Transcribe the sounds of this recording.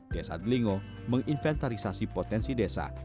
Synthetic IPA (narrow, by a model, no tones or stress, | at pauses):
d̥esa̰d̪liŋo | məŋʔinfɛnt̪aɾisasipot̪ɛnsidesa̰